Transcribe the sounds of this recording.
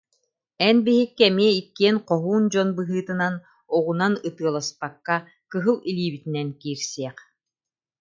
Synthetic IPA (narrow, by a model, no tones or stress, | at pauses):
ɛnbiɦikːɛmiɛikːiɛnqɔɦuːnd͡ʑɔnbɯɦɯːt̪ɯnan | ɔʁunanɯt̪ɯɐlˠaspakːa | kɯɦɯlˠilʲiːbit̪inɛnkiːɾsɛɛq